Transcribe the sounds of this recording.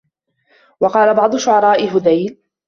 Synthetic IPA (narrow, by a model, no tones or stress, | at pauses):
wɑqɑːlabɑʕd̪ˤʊʃʊʕɑɾˤɑːʔɪɦʊd̪ajl